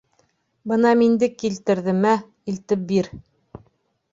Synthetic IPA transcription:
bɤnɑmind̪ɘkːilt̪ɘ̆ɾðɘ̆mæ | ilt̪ɘp̚biɾ

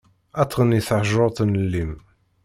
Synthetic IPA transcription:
æt̪ːʁənːiθʕʒoɾˤt̪ˤnlːim

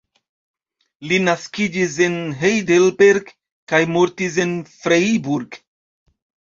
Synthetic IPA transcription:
linaskid͡ʒis̬e̞nɦejdelbeɾɡ | kajmoɾtis̬enfɾejbuɾɡ

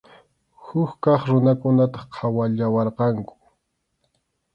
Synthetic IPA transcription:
hʊkkɑχɾʊnakʊnat̪ɑ̥χqʰɑwaʎawɑɾqɑŋkʊ̥

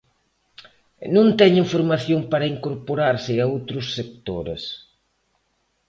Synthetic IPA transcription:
nõnt̪ɛɲiɱfoɾmaθjoŋpaɾɐiŋkoɾpoɾaɾsɪaowt̪ɾʊsːek̚t̪oɾḛs

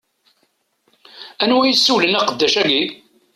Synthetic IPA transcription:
ænwæjəsːuwlənæqəd̪ːæʃæɡi

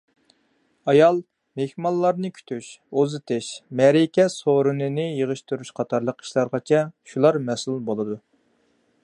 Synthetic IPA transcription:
ɑjɑlˠ | mehmɑlˠːɑɾnɨkʲʰy̥t̪ʰyʃozɨt̪ʰɪʃmɛɾikʲɛsoɾɨnɨnɨjəʁəʃt̪uɾyʃqʰɑt̪ʰɑɾlˠəqi̥ʃlˠɑɾʁɑt͡ʃʰɛʃulˠɑɾmɛsulˠbolˠɨd̪u

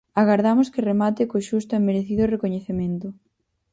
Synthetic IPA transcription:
aɣaɾðamʊskɪremat̪ɪkoʃust̪ʊemːeɾeθiðʊrekoɲeθemẽnt̪ʊ

